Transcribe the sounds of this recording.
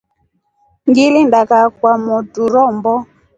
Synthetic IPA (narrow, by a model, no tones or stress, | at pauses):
ŋɡilindakak̚wamɔtuɾɔmbɔ